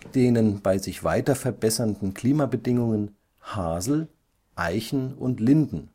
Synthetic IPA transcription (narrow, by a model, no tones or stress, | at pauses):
d̥eːnənbaɪzɪçv̥aɪtɐfɛɐbɛsɐndn̩kʰl̥iːmabədɪŋʊŋən | haːzl̩ | ʔaɪçn̩ʊntlɪndn̩